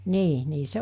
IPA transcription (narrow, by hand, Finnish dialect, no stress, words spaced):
niː niː se